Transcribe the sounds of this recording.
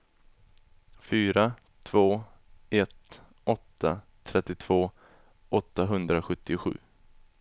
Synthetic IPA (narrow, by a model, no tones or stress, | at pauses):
fyːɾa | t̪ʰv̥oː | ɛt̪ | ɔt̪ʰːa | t̪ʰɾɛt̪ːɪt̪ʰv̥oː | ʔɔt̪ːaɦɵnd̪ɾaɧɵt̪ʰːɪɧʉ̟̰ː